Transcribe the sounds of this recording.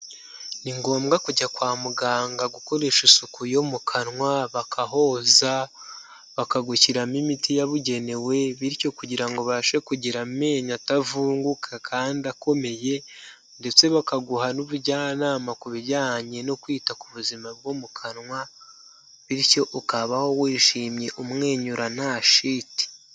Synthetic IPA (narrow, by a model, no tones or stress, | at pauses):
niŋɡo̞ːmɡakuɟakwaːmuɡaːŋɡaɡuko̞ɾe̞ʃisukujomukʰanŋwaβakʰaɦo̞za | βakaɡuciɾamimitijaβuɟe̞ne̞we̞βiɾco̞kuɟiɾaŋɡo̞βaʃekuɟiɾame̞ɲatavuːŋɡukʰakʰaːndiako̞me̞je̞ | nde̞t͡se̞βakaɡuhanuβuɾɟaːnaːmakuβiɾjaːɲe̞no̞kwiːtakuβuzimab̚ɡomukʰanŋwa | βiɾco̞ʔukaβaho̞wiːʃiːmɲe̞ʔumŋe̞ːɲuɾanaʃiti̥